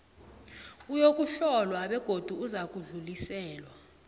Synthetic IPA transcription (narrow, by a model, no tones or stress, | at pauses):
ujok̬ʼuɬɔlwaɓɛɡ̥ʱod̥ʱuuzak̬ʼuɮulisɛːlwa